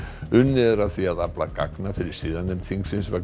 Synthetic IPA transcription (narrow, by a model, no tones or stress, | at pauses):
ʏnːɪɛɾaðθiaðaplaka̰knafɪɾɪɾ̥siːðanɪmθiŋksɪnsva